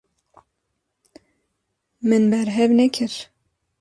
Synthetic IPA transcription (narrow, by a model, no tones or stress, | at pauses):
mɨnbɛɾɦɛvnɛkʰɨɾ